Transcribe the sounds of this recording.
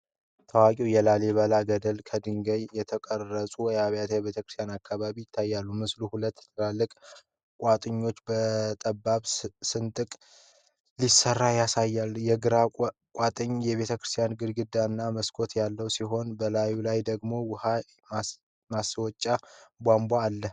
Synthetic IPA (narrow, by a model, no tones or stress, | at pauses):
t̪ʰəwakʼiwjɛlaleβəlaɡəd̪əlkʰəd̪ɨŋɡəɲjɛt̪ʰəkʼərːəsʼuwjaβjat̪jɛβe̞t̪ʰəkɾɨst̪janakːaβaβijɪt̪ʰːajːalːumɨsluhulət̪ːt̪ʰɨlalːɨkʼ | kʼat̪ʼɨɲːo̞t͡ʃːbət̪ʼəbːaβsɨnt̪ʼɨkʼ | lisərːajasajːalːjɛɡɨɾakʼat̪ʼɨɲːjɛβe̞t̪ʰəkɾɨst̪ʰijanɡɨd̪ɡɨd̪aɨnːaməskʰo̞t̪jalːəwsiɦo̞nbəlajulajd̪əɡmo̞wʊha | maswɔt͡ʃʼːabʷambʷaːlːə